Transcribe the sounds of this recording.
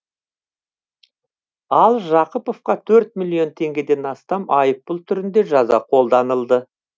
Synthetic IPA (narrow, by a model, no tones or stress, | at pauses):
ɑlˠʒɑqəpo̞fqɑt̪ʰɵɾt̪̚mʲilʲˠijo̞nt̪ʰe̞ŋɡʲe̞d̪e̞nɑst̪ɑmʔɑjəpːʊlˠt̪ʰʏɾɪnd̪e̞ʒɑzɑqʰo̞lˠd̪ɑnəlˠd̪ə